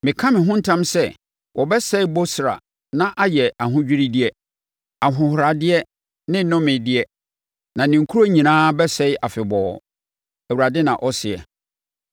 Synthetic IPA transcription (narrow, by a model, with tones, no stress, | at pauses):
mɪ̃˨kʰã˦mɪ̃˨ɦʊ̃˦n̩˦tʰã˦msɛ˦ | wʔɔ˨bɛ˦sɛ˦ɪ˦bo˦sɾa̰˨ | nã˦ʔa˦jɛ˨a˨ɦʊ̃˦d͡ʑᶣi˦ɾi˦dɪ˦ɛ˦ | a˨ɦʊ̃˨hʊ˨ɾa˨dɪ˦ɛ˦ | nɪ̃˦nʊ̃˦mɪ̃˨dɪ˦ɛ˦ | nã˨nɪ̃˨ŋ̩˨kʰu˦ɾo˦ɲĩ˨nãː˦bɛ˦sɛ˦ɪ˦ʔa˨fɪ˨bɔː˨ | ɛ˨wu˨ɾa˨dɪ˦nã̰˨ʔɔ˦sɪ˨ɛ̰˨